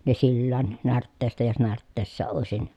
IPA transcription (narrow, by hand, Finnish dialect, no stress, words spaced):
ne silːæːn nærtːeːstæ jos nærtːeːsːæ oˑesin